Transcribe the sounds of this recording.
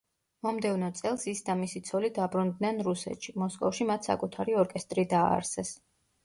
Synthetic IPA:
mɔmd̪ɛvnɔt̪sʼɛlˠsisd̪amisit̪sʰɔlid̪abɾund̪nɛnɾusɛ̰t̪ʃimɔskʼɔfʃimat̪ʰsa̰kʼut̪ʰaɾiɔɾkʼɛst̪ʼɾid̪a̰ːɾsɛs

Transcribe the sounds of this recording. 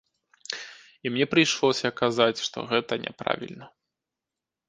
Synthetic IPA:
imnʲɛpɾɨjʂlˠɔsʲɐkazat͡sʲʂt̪ɔ̰ɣɛt̪ɐnʲɛ̰pɾa̰vʲḭlʲnɐ

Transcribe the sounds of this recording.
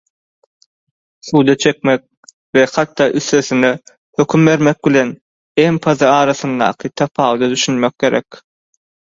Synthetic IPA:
θuːd̪ɑt͡ʃʰe̞kmek̚ | veχɑt̪ːɑːʔyθːøθyne | høkʲʰymbe̞ɾmek̚bilʲe̞n | empʰɑðɯɑːɾɑθɯnd̪ɑ̰ːqʰɯt̪ʰɑpʰɑːwd̪ɑd̪yʃynmek̚ːʲe̞ɾʔḛk

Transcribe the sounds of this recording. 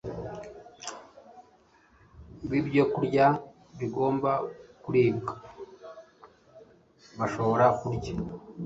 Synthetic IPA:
βibɟo̞kuɾɟa | βiɡo̞ːmbakuɾiːbɡḁ | βaʃo̞βo̞ɾakuɾɟa

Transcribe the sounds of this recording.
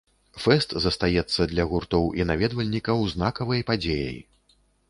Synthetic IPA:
fɛst̪zɐst̪ajɛt̪sːɐd̪lʲɐɣurt̪ɔwʔinavʲɛd̪vɐlʲnʲikɐwznakɐvɐjpad͡zʲejɐ̰j

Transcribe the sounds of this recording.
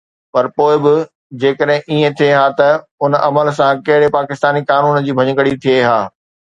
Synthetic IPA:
pɐɾpoːɪbɪ | d͡ʑeːkəɗɦɪ̃ʔiːẽt̪ʰieɦaːt̪ɐ | ʊnʔɐməls̬ãkɐɦɪɽepaːkɪst̪aːnikaːnuːnd͡ʑiːbʱɐɲəkəɽit̪ʰieɦaː

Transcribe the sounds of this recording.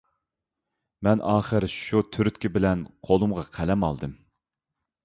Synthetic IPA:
mɛnʔɑːχəɾɪʃut̪ʰyɾyt̪̚kʲibɪlɛnqʰolˠumʁɑqʰælɛmɑ̰lˠd̪ɨm

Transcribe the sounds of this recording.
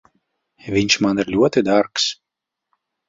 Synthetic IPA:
vʲiɲʲʃmaniɾlʲuɔt̪id̪aɾks

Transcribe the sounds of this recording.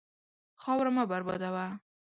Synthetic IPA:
xɒwɾamabaɾbɒ̰d̪awa

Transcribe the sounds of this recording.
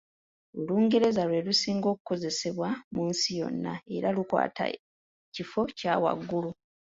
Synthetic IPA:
uluːŋɡe̞ɾe̞zalwe̞lusiːŋɡo̞ku̥ko̞ze̞se̞βwamuːnsijo̞̰nːa̰e̞ɾalukwa̰ːtʰa̰ | cifo̞caːwa̰ɡːulu

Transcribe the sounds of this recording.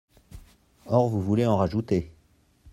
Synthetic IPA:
ɔʁvuvuleɑ̃ʁaʒut̪e

